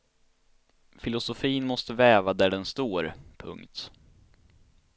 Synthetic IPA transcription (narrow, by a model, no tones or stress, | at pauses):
fɪlʊsʊfiːnmɔst̪əvɛːvad̪æɖɛnst̪oːɾpʰɵ̰ŋkt̪